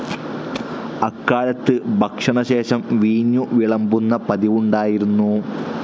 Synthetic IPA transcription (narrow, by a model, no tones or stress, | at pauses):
ɐkːaːɻɐt̪ːɨbʱɐkʂɐɳɐɕe̞ːɕɐmʋiːnːuʋiɭɐmbunːɐpɐðiʋuɳɖaːjiɾunːu